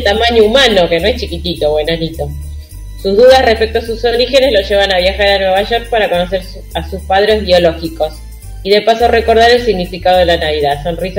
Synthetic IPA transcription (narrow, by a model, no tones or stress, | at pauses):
t̪amaɲoumano̞kenoe̞ht͡ʃikit̪it̪o̞βwenanit̪o̞ | suzðuðasrespe̞kt̪oas̬usoɾixe̞ne̞zloʒe̞βanaβjaxaɾanwe̞βaʒo̞ɾk̚paɾako̞no̞seɾ | asuspað̞ɾe̞zβjo̞lo̞xiko̞s | iðepasore̞ko̞ɾð̞aɾe̞lsiɣnifikaðo̞ð̞elanaβiðaðso̞nris